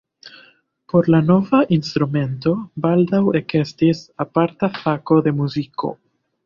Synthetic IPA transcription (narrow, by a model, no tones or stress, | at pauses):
po̞ɾlano̞vaʔinst̪ɾume̞nto̞bald̪awe̞ke̞stisapaɾtafako̞d̪e̞muziko̞̰